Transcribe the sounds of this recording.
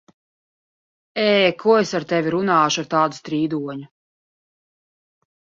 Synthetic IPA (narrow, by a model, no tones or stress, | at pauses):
ɛːkʰuɔesaɾt̪ɛvʲiɾunaːʃaɾt̪aːd̪ust̪ɾiːd̪uɔɲu